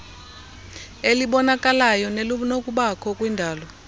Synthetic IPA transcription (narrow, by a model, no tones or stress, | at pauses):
eliɓɔnakʼalajɔnelunok̬ʼuɓakʰɔkʼwindʱaːlɔ